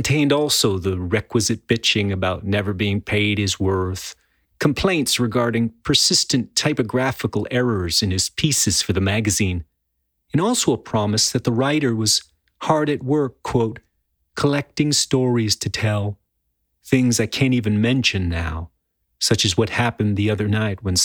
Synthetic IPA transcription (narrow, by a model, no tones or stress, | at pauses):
n̩tʰẽɪ̃ndɔlˠsoʊðəɹɛkwɨzɨt̚b̥ɪt͡ʃɪ̃ŋɨbaʊtⁿnɛvə˞biɪ̃ŋpʰeɪɾ̚ɨzwɜ˞θ | kʰmpʰl̥ẽɪ̃ntsɹɨɡɑɹɾɪ̃ŋpʰə˞sɪstɨ̃ntʰaɪpɨɡɹæfəkl̩ˠɛɹə˞z̥ɨ̃nɨz̥pʰisɨz̥fə˞ðɨmæɡɨzĩn | ɨ̃ñɔlˠsoʊəpʰɹ̥ɑmɨsðɨt̪̚ðəɹaɪɾə˞wʌz̥ | hɑɹɾɨt̚wɜ˞kʰw̥oʊt̚ | kʰəlɛk̚tɪ̃ŋstɔɹiz̥tʰɨtʰɛlˠ | θɪ̃ŋzaɪkʰæ̃ntivɨ̃nmɛ̃nʃɨ̃nːaʊ | sʌt͡ʃɨzwʌt̚hæpɨ̃nðiʌðə˞naɪt̚wə̃n